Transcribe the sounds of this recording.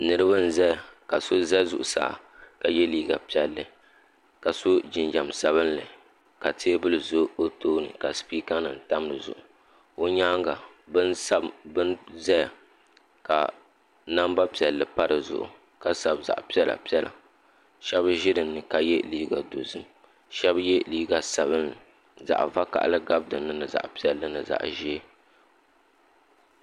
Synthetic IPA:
nɨ˦ɾɨ˦ba˦n̩˦zɛ˦ja˨ka˨so˦zɛ˦zʊ̰˨ʔʊ˨sa̰ː˨ | ka˨jɛ˦liː˦ɡa̰˨pi˦˨ɛ˨lːɨ˨ | ka˨so˦d͡ʒɪ˨nd͡ʒa˨msa˦βɨ˦n˦lɨ˨ | ka˨tʰeː˦bɨ˦lɨ˨zo˦o˦toː˦nɨ̰˨ka˨spiː˦ka˦nɨ˨n̩˨ta˦m˦lɨ˨zʊ̰˨ʔʊ˨ | o˦ɲaː˦ŋɡa˨ | bɨ˦n˦sa˦bɨ˦nzɛ˦j | ka˨ | na˦mba˦pi˨ɛ˨lːɨ˨pa˦ɾɨ˨zʊ̰˨ʔʊ̰˨ | ka˦sa˨bza̰˨ʔpi˦ɛ˦la̰˨pi˦ɛ˦lʔa̰˨ | ʃɛ˦bʒɪ˦dɨ˨nːɨ˨ka˨jɛ˦liː˦ɡa˨do˨zɨ˦m | ʃɛ˦bjɛ˦liː˦ɡa˨sa˨bɨ˦n˨ | za̰˨ʔva˦ka̰˨ʔlɨ˦ɡa˦bdɨ˨nːɨ˨nɨ˨za̰˨ʔpi˦ɛ˨lːɨ˦nɨ̰˨za̰˨ʔʒi˦

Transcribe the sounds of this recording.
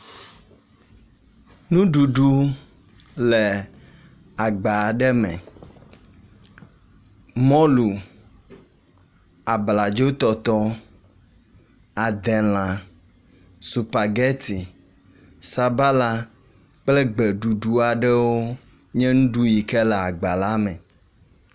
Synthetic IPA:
nũ˦ɖu˨ɖu˦ | lɛ˨ | a˨ɡ͡ba˨ɖɛ˦mɛ̰̃˨ | mɔ̃˦lu˨ | a˨bla˨d͡ʒo˦t̪ɔ˨t̪ɔ˦ | a˨d̪ɛ˨l̃ã˨ | su˨pa˨ɡɛ˦t̪i˨ | sa˨ba˦la˦ | k͡ple˦ɡ͡be˨ɖu˨ɖu˦a˨ɖɛ˦wo˦ | ɲɛ̃˦ŋũ˦ɖu˦ji˨kɛ˦lɛ˨a˨ɡ͡ba˨la˦mɛ̰̃˨

